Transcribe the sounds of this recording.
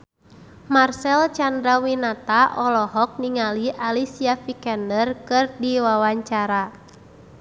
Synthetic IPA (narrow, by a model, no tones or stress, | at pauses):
marsɛlt͡ʃandɾawinat̪aʔɔlɔɦɔk̚niŋaliʔalisiafikɛndərkɨrdiwawaɲt͡ʃaɾa